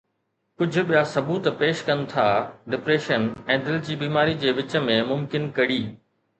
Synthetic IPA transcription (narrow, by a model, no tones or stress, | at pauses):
kʊd͡ʑʱʊ̆ɓijasɐbuːt̪peːʃkɐ̃nɪ̆t̪ʰaːɖɪpɾeːʃənɛ̃ːd̪ɪld͡ʑiːbiːmaːɾid͡ʑeːʋɪt͡ɕə̆mẽmʊmkɪnkɐɽiː